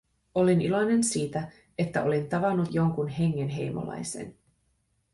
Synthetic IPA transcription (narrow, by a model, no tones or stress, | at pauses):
o̞linilo̞jne̞nsiːt̪æ | e̞t̪ːæʔo̞lint̪ɑʋɑnːut̪jo̞ŋkunɦe̞ŋːe̞nɦe̞jmo̰lɑ̰jse̞̰n